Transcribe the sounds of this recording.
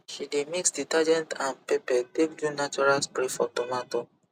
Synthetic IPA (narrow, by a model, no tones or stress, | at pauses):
ʃidemiksditad͡ʒɛ̃ntãnpepɛdebdunat͡ʃuɹalspɹifɔtɔmato